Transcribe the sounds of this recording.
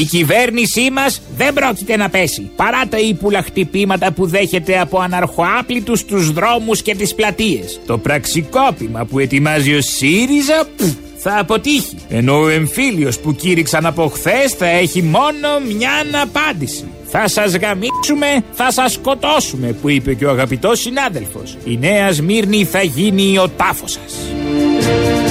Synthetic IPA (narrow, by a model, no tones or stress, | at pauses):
icive̞ɾnisimɐzðe̞mbɾo̞cit̪e̞nɐpe̞sipɐɾɐt̪ɐipulɐxt̪ipimɐt̪ɐpuðe̞çe̞t̪e̞ɐpo̞ɐnɐɾxo̞ɐplit̪ust̪uzðɾo̞musce̞t̪isplɐt̪ie̞st̪o̞pɾɐksiko̞pimɐpue̞t̪imɐzio̞siɾizɐ | θɐːpo̞t̪içie̞no̞oe̞ɱfilio̞spuciɾiksɐnɐpo̞xθe̞sθɐe̞çimo̞no̞mɲɐnɐpɐnd̪isi | θɐsɐzɣɐmisume̞θɐsɐsko̞t̪o̞sume̞puipe̞co̞ɐɣɐpit̪o̞sinɐðe̞lfo̞̰sine̞ɐzmiɾniθɐʝinio̞t̪ɐfo̞sɐ̥s